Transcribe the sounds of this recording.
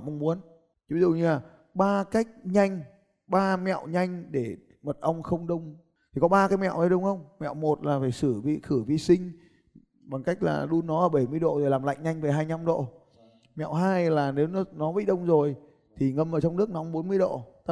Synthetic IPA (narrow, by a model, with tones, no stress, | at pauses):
mʔə˧ŋ͡mmu˨˦ən | t͡ɕvi˧zṵ˧˨ɲɨ˧laː˨˩ | ɓaː˧ka˦˥jk̚ɲa˧jŋ̟ | ɓaː˧mɛ̰˧˨wɲa˧jŋ̟ɗe˧˩ | mə˨˩t̚ʔə˧wŋ͡mxə˧wŋ͡mɗə˧wŋ͡m | t̪ʰi˨˩kɔ˨˦ɓaː˧kaː˨˦jmɛ̰˧˨wʔə˨˧˦jɗə˧wŋ͡mxə˧wŋ͡mmɛ̰˧˨wmo˨˩t̚laː˨˩faː˧˩jsɨ˧˩vḭ˧˨xɨ˧˩vḭ˧˨sï˧ŋ̟ | ɓa˨˩ŋka˦˥jk̟̚la̰ː˨˩ɗu˧nːɔ˨˦ʔəː˧˩ɓə˧˩jmɨ˧əjɗo̰˧˨zo˨˩laː˨˩mla̰˧˨jŋ̟ɲa˧jŋ̟veː˨˩ɦaː˧jɲa˧mɗo̰˧˨ | mɛ̰˧˨wɦaː˧jlaː˨˩ne˨˦wnɔ˨˦nɔ˨˦vḭ˧˨ɗə˧wŋ͡mzo˨˩j | t̪ʰi˨˩ŋə˧˩mʔəː˧˩t͡ɕɔ˧ŋ͡mnɨ˦˥ək̚nɔ˨˦wŋ͡mɓo˨˦nmɨ˧əjɗo̰˧˨t̪a˧˦